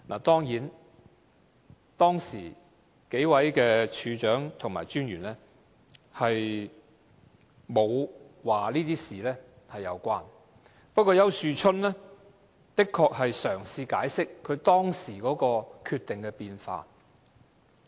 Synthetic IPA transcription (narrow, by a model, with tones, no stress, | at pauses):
nʔa̰ː˨˩t̪ɔː˥ŋjiː˨˥n | t̪ɔː˥ŋsḭː˨˩ | ke˨˥jwɐ˨˥jkɛː˧t͡ʃʰyː˨˧t͡ʃœː˨˥ŋt̪ʰʊ˨˩ŋma̰ː˨˩jt͡ʃyː˥nɥyː˨˩nlɛː˥ | hɐ˨j | mo˨˧w | waː˨liː˥t̪iː˥siː˨lɛː˥ | hɐ˨jːɐ˨˧wkʷaː˥n | pɐ˥t̚kʷːɔː˧jɐ˥˧wsyː˨t͡ʃʰɵ˥nlɛ˥ | t̪ɪ˥kʰːɔː˧k̚hɐ˨jsœː˨˩ŋsiː˧kaː˨˥jsɪ˥kʰːɵ˨˧ɥt̪ɔː˥ŋsiː˨˩kɔː˨˥kɔː˧kʰyː˧t̪ːɪ˨ŋkɛ˧piː˧nfa̰ː˧